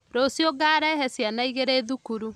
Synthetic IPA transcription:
ɾosjoɡaːɾɛɦɛsjanaiɣeɾeːðukuɾu

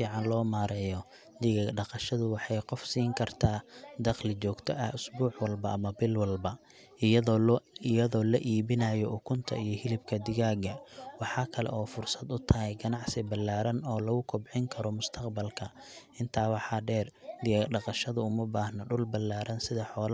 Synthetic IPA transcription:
fiːʕɑnlɔːmaːɾɛjɔ | d̪ɪɣaːɡɖɑqɑʃɐðʊwɑħɑjqɔfsiːŋkʰɐrt̪ʰaːd̪ɐqlɪt͡ʃɔːɡt̪ʰɔʔɐhʊsbuːħwɐlbɐʔɐmɐbɪlwɐlbɐ | ɪjɐðɔːlɐʔiːβɪnajɔʔʊkʰʊnt̪ʰɐ̰ijɞhɪlɪbkʰɐd̪ɪɣaːɡɐwɑħɑːkʰɐlɛ̰ʔɔːfʊrsɐd̪ʊt̪ʰɐɦɛjɡɐnɑʕsɪbɐlːaːɾɐnɔːlɐɣʊkʰʊbʕɪŋkʰɐɾɔmʊst̪ʰɐqbɐlkʰɐ | ʔɪnt̪ʰaːwɑħɑːɖɛːrd̪ɪɣaɡɖɑqɑʃɐðʊʊmɐbaːhnɐɖʊlbɐlːaːɾɐnsɪðɐħɔːl

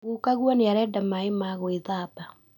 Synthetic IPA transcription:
ɣukaɣwɔneaɾɛːdamaemaɣoeðaba

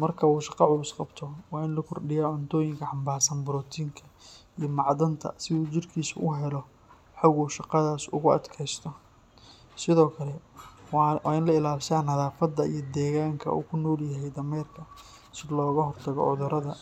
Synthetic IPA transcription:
mɐrkʰɐuːʃɑqɑʕʊlʊsqɑbt̪ʰɔwɑːɪnlɐkʰɔrɖɪjaːʕʊnt̪ʰɔːjɪŋkʰɐħɑmbaːrsɐnbʊɾɔːt̪ʰiːŋkʰɐ | ijɞmɑʕd̪ɐnt̪ʰɐ̰sɪðuːt͡ʃɪrkʰiːsʊʔʊɦɛlɔ | ħʊɣuʃɑqɑðaːsʊ̰ɣʊɐ̰d̪kʰɛjst̪ʰɔ | sɪðɔːkʰɐlɛ | wɑːɪnlɐɪlaːlʃaːnhɐðaːfɐd̪ːɐijɞd̪ɛːɣaːŋkʰɐ̰ṵːkʰʊnɔːljɐɦɛjd̪ɐmɛːrkʰɐ | sɪdlɔːɣɐɦɔrt̪ʰɐɣɔ̰ʕʊðʊɾɐðɐ

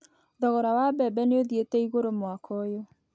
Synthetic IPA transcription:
ðɔɣɔɾawabɛbɛneoðietɛiɣoɾomwakʰɔjo

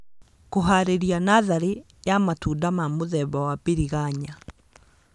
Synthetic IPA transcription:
koɦaɾeɾianaðaɾe | jamatuːdamamoðɛβawabeɾiɣaɲa

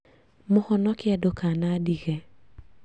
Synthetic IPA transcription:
mʊhɔnɔkɪadokanadiɣɛ

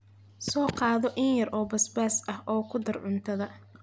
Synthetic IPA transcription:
sɔːqɑːðɔʔɪnjɐrʔɔːbɐsbaːsɐhʔɔːkʰʊd̪ɐrʕʊnt̪ʰɐðɐ

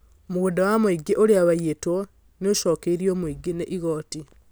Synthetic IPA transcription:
omuɣundawamoiɡeʔoɾeaβajeto | nioʃokeiɾiomuiɡeneʔiɣoːti

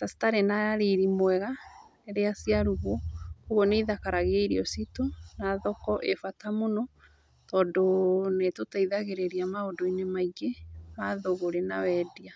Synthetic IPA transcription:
tasi̥taɾenaɾiɾimwɛɣaneɾeasjaɾuɣooɣoneiðakaɾaɣeaiɾiɔsitonaðɔkɔʔefatamonɔ | tɔːndonetotaiðaɣeɾeɾiamaodoinemaiɣemaðoɣoɾenawɛdia

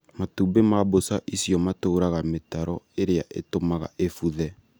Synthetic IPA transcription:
matubemabosaʔisjɔmatoːɾaɣametaɾɔeɾeaʔetomaɣa̰ʔefuðɛ

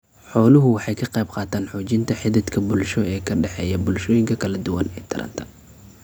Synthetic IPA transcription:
ħɔːlʊɦʊwɑħɑjkʰɐqɑjbqɑːt̪ʰaːnħɔːt͡ʃɪnt̪ʰɐħɪðɪt̪kʰɐbʊlʃɔɛːkʰɐɖɛħɛːjɐbʊlʃɔːjɪŋkʰɐkʰɐlɐd̪ʊwɐ̰nɛːt̪ʰɪ̰ɾʔɐ̰nt̪ʰɐ̥

